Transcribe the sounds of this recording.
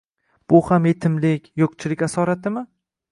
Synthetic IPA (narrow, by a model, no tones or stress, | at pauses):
b̥ʊhamjet̪ʰɪmlɪkʲjoqt͡ʃʰɪlɪkʲasɒɾat̪ɪmɪ